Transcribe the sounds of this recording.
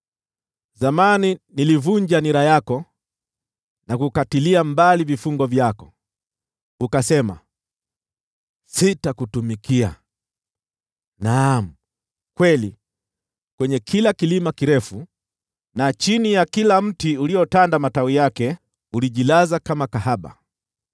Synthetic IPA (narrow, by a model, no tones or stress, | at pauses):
zamaninilivuɲd͡ʒaniɾajakɔ | nakukatiliambalivifuŋɡɔvjakɔ | ukasɛma̰ | sitakutumikia̰ | nam̩ | kwɛli | kwɛɲɛkʰilakilimakiɾɛfu | nat͡ʃinijakilam̩tiuliɔtandamatawijakɛ | uliʄilazakamakahaɓa̰